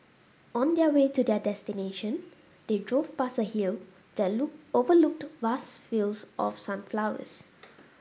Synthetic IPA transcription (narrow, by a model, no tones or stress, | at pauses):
ɔ̃ndɛwetudɛdɛstineʃə̃n | d̥edɹovpasəhil | d̥ɛtovəluk̚tvasfilsʔɔ̰fsãnflawə̰s